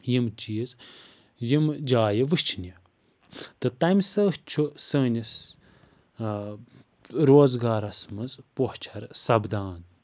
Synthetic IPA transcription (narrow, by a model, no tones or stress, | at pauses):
jimt͡ʃiːz | jimd͡ʒaːjɐʋɨht͡ʃʰnʲi | t̪ɨt̪ɐmʲsɐht͡ʃʰusəːnʲis | ɾoːzɡaːɾɐsmɨzpoht͡ʃʰɐɾsɐbd̪aːn